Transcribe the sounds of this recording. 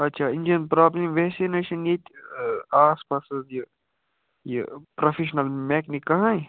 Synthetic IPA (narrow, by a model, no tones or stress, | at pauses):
ɐtːʃʰaːɪ̃nd͡ʒɐnpɾaːblimʋɛːseneʃɐnjet̪aːspaːsəzji | jḛpɾofʰeʃnɐlmɛːknikɐɦãe